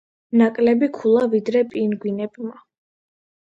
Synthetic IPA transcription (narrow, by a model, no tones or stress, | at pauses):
nakʼlɛbikʰulˠavid̪ɾɛpʼinɡwinɛbma